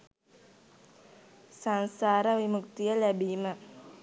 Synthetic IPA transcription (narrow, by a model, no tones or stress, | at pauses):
sansaɾawimuk̚t̪ialabima